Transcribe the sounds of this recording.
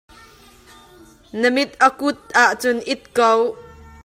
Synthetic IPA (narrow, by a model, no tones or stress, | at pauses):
nəmɪt̪̚ʔəkʊt̪̚ʔaʔt͡sʊnʔɪt̪̚kow